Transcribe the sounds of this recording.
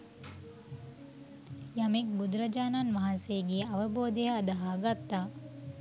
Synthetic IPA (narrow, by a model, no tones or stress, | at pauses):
jɐmik̚bud̪ɾɐd͡ʒaːnanʋaɦanseɡiːɐʋɐboːd̪eɦɐːd̪ɐɦaːɡat̪ːaː